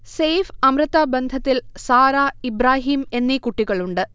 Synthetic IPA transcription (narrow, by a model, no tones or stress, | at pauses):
sejfɐmɾɨt̪ːaːbɐnd̪ʱɐt̪ːilsaːɾaːibɾaːɦiːme̞nːikuʈːiɣɐɭuɳɖɨ